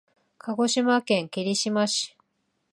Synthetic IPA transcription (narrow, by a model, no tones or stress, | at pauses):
kʰaɡo̞ɕimakẽ̞ŋkeɾʲiɕimaɕi̥